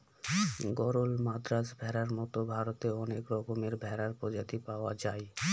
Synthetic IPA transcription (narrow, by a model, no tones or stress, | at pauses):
ɡɔɾolmad̪ɾasbʱɛɾaɾmɔt̪obʱaɾot̪eɔnekɾɔkomeɾbʱɛɾaɾpɾɔd͡ʑat̪ipaoad͡ʑae